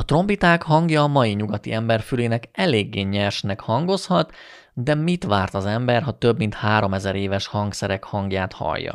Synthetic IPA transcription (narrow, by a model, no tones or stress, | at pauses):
ɒt̪ro̞mbit̪aːkhɒŋɡjɒːmɒjiɲuɡɒt̪iɛmbɛrfyleːnɛkɛleːɡːeːɲɛrʃnɛkhɒŋɡo̞shɒt̪ | d̪ɛmit̪ʋaːrt̪ɒzɛmbɛrɦɒt̪øbmint̪haːɾo̞mɛzɛɾeːvɛʃhɒŋksɛɾɛkhɒŋɡjaːt̪hɒ̰jːɒ̰